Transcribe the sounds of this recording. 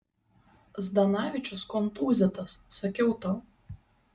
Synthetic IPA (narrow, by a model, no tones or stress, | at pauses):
zd̪ɐnɑːʋʲɪt͡ʃʲʊskɔnt̪uːzʲɛt̪ɐsːɐkʲɛʊt̪ɐ